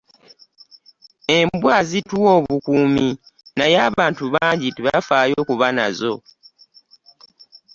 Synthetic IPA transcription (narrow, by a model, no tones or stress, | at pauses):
e̞mbwaːzituwo̞ːβukuːmi | najaːβaːntuβaːɲɟiteβafaːjo̞kuβana̰zo̞